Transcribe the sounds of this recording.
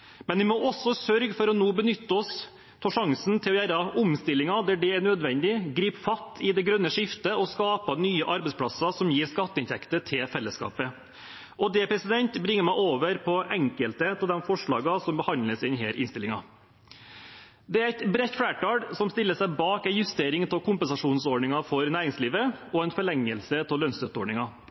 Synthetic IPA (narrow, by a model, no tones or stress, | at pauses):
mɛnʋɪmɔɔsːɔsœɾɡfɔɾɔnoːbənʏt̪ːəɔs | t̪ʰɑːʂɑŋsnt̪ʰɪlɔjæːɾɑʊmst̪ɪlːɪŋɑd̪æːɖɛːɳød̪ʋɛnd̪ɪɡɾiːpfɑt̪ʰːɪd̪ɛɡɾœnːəʂɪft̪əɔskɑːpɑnyːəʔɑɾbɛɪspʰɽɑsɑsɔmjiːɾskɑt̪ːəɪnt̪ʰɛkt̪ət̪ʰɪlfɛlːəskɑ̰ːpə | ʔɔd̪ɛpʰɾɛsɪd̪ɛnt̪bɾɪŋːəɾmæɪʔoːʋəɾpʰɔʔɛŋkəlt̪ət̪ʰɪld̪ɛmfɔʂɭɑ̰ːɡɑsɔmbəhɑnləsɪnɦeːɾʔɪnst̪ɪlɪŋɑ | d̪ɛæɾæɪt̪bɾɛt̪fɽæːʈʰɑːɖsɔmst̪ɪlːəsæɪbɑːkænjʉst̪eːɾɪŋt̪ʰɪlkʰʊmpənsɑʂuːnsoːɳɪŋɑfɔɾnæːɾɪŋsliːʋəɔɛɪnfɔɭɛŋːəlsət̪ʰɪlːœnsd̪œt̪əoːɳɪŋɑ